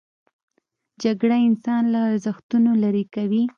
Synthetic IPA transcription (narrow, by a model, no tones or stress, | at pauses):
d͡ʒaɡɽaɪnsɑnlaːɾzaxt̪unolaɾikawi